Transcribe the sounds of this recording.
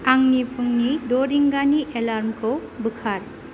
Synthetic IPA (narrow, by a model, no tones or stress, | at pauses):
aŋnipʰɯŋnidoɾiŋɡaniʔelaɾmkʰowbɯkʰaɾ